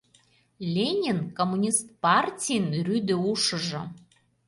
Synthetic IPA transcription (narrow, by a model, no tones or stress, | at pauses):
lʲenʲinkomːunʲist̪̚pɑrtʲijnryd̪ĕuʃə̆ʒɤ̆